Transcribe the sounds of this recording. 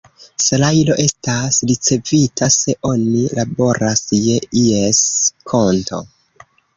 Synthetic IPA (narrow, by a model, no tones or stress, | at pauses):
salajlo̞ʔe̞stasɾit͡se̞vitʰase̞ʔo̞nilabo̞ɾasje̞ieskʰo̞nto̞̰